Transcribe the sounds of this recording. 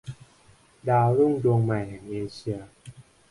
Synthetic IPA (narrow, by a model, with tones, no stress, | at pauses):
daː˧lu˥˩ŋdu˧əŋma˨˩jhɛ˨˩ŋʔeː˧ɕi˧ə